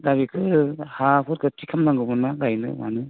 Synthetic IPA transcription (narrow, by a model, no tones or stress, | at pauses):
daβikʰɯhapʰuɾkʰɯtʰikʰamnaŋɡɯbɯnaɡajnɯ̰ma̰nɯ